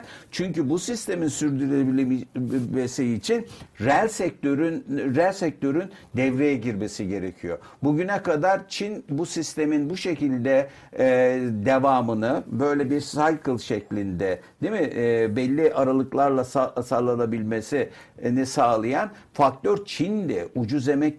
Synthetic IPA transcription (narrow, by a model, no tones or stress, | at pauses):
t͡ʃʰyɲcybusist̪ʰe̞minsyɾd̪yɾebimesiːt͡ʃʰinɾælʲsɛc̚t̪øɾynɾælʲsɛc̚t̪ʰø̞ɾynd̪ɛvɾejɛɟiɾme̞siɟe̞ɾecʰijo̞̰ | buɟynɛkad̪aɾt͡ʃʰinbusist̪ʰe̞minbuʃecilʲd̪ɛ | d̪evaːmɯnɯbø̞jlʲɛbiɾsajkʰɯlˠʃɛclʲind̪ɛd̪̥imibɛlʲːiʔaɾalˠɯklˠaɾlˠasasalˠanabilʲme̞si | nisaːlˠɯjan | fak̚t̪ʰøɾt͡ʃʰind̪ɛʔud͡ʒuze̞mɛc